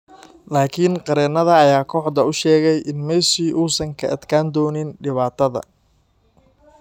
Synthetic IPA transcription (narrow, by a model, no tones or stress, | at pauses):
laːkʰɪnqɑɾɛːnɐðɐːjaːkʰɔːʕd̪ɐʊʃɛːɣɛjʔɪnmɛʃiːʔuːsɐŋkʰɐ̰ʔɐd̪kʰaːnd̪ɔːnɪnɖɪβaːt̪ʰɐðɐ̰